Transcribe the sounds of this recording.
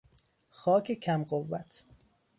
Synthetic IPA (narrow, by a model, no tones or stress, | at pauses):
xɒːcʰecʰæmɢovːæt̪ʰ